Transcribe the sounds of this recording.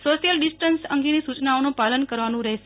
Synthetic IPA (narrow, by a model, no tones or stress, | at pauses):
soʃijəlɖisʈənsə̰ŋɡenisut͡ʃnaonũpalənkəɾʋanũɾɛɦeʃ